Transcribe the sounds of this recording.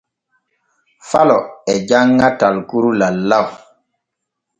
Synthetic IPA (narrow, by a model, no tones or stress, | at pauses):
falɔɛd͡ʒaŋːatalkuɾulalːaw